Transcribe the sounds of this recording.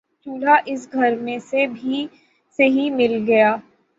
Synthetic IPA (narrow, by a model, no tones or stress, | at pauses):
t͡ʃuːɽ̤aʔɪs̬ɡʱɐɾmẽsebʱi | seɦimɪlɡɐjaː